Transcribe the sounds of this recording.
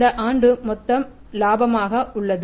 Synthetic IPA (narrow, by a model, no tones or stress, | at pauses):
d̪ɐʔaːɳɖɯmɔt̪ːɐm | laːbɐmaːɣɐʔʊɭːɐð